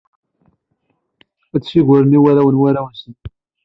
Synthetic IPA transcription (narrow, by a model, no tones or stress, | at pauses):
æt͡sːsiɣʷəɾəniwæɾæwənwæɾæwənsən